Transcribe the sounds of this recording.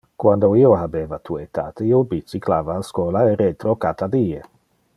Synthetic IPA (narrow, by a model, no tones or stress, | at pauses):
kwand̪oioɦabeːvat̪uet̪aːt̪eiobit͡siklaːvaːskɔːlaeɾet̪ɾokat̪ad̪iːe